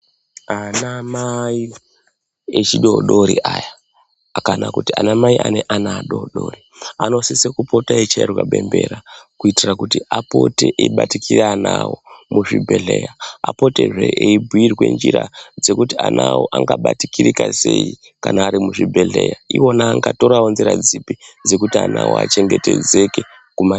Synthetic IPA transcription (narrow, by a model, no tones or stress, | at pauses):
anamai | et͡ʃiɗoɗoɾiʔajaː | kanakutianamaiʔaneʔanaːɗoɗo̞riano̞sisekupotaet͡ʃaerwaɓe̞mbe̞ɾakuitirakutiapo̞teʔeɓatikireanawomuʐibʱe̞ɮeːjaapo̞te̞ʐeʔeibʱuirwe̞̰nd͡ʒirad͡ze̞kutianʔawoʔaŋɡaɓatikiɾikasei | kanaːɾimuʐibʱe̞ɮejaiwo̞naːŋɡato̞ɾawonziɾad͡zipid͡ze̞kutianawoa̰t͡ʃe̞ŋɡeted͡zeke | kuma